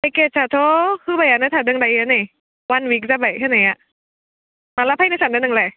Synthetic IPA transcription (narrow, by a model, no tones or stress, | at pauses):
akesʰat̪ʰokʰɯːbajʔanat̪ʰadɯŋdajɯːnaj | wanwiːk̚zabajkʰanajaʔ | malapʰanasʰandɯdŋlaj